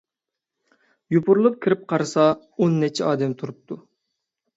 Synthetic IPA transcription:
jupʰʊɾulˠʊp̚kʲʰiɾɪp̚qʰɑɾɨsɑ | onːɛt͡ʃʰɛɑːd̪ɛmt̪ʰuɾup̚t̪ʰu

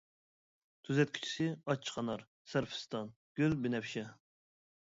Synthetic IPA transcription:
t̪ʰyzɛt̪̚kʲʰy̥t͡ʃʰi̥sɪɑt͡ʃʰːqʰɑnɑɾ | sæɾfʰɪ̥st̪ɑn | ɡ̥ʲylbɪnɛpʃɛ

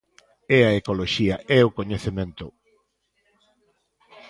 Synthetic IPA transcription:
ɛɐekoloʃiɐʔɛʊkoɲeθemẽnt̪ʊ

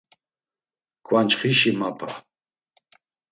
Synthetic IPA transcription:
kʰʼwant͡ʃχiʃimapʰa

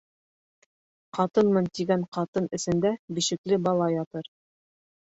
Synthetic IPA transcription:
qɑt̪ɤnmɤnt̪iɡæɴqɑt̪ɤnɘ̆sɘ̆nd̪æbiʃɘ̆klɘbɑlˠɑjɑt̪ɤɾ

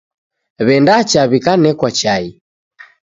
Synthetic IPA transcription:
βɛndat͡ʃaβikanɛkwat͡ʃai

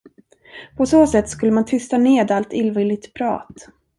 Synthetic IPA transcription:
pʰɔsoːsɛt̪ːskɵlːəmant̪ʰʏst̪aneːd̪alt̪ɪlvɪlɪt̪pʰɾɑ̰ːt̪

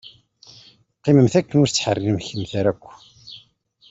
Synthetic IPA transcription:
qːiməmθækːənʊɾt͡sːħərːinəmçəmθæɾækʷː

